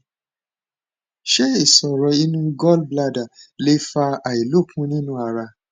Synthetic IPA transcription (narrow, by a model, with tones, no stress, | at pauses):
ʃe˦e˨sɔ˨ɾɔ˨i˦nũ˦ɡɔ˦lbla˧da˨le˨˦fa˦a˨i˨lo˦˨kʰũ˦nĩ˦nũ˦a˧ɾa˧